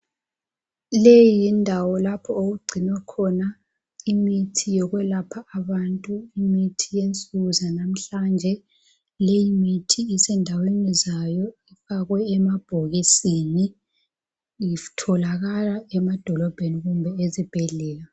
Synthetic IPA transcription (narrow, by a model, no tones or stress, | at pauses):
lejindʱawɔlapʰɔoɣuɡ͡ǀʱinwɛkʰɔna | imitʰijɔɣwɛlapʰaːβantʼuimitʰijent͡sʼuɣuzanam̩ɬand͡ʒʱɛ | lejimitʰiːsɛndʱawenizajɔɛfaɣwɛːmab̥ʱɔɣisini | jitʰɔlaɣalaɛmad̥ʱɔlɔb̥ʱeniɣumbʱɛezib̥ʱɛɮɛːla